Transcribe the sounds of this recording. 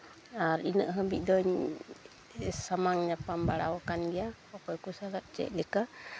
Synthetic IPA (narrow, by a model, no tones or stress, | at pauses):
aɾinə̰ʔɦəbḭˀd̪ɔɲ | samaŋɲapambaɽa̰wakanɡɛjahɔkɔjkusalaʔ̚t͡ʃɛ̰ʔ̚lɛka